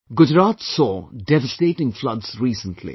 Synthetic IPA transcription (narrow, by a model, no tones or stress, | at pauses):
ɡʊd͡ʒɾaːt̪sɔːɖɛvəsʈeːʈɪ̃ŋflʌdz̥ɾiːsə̃nʈʰlḭ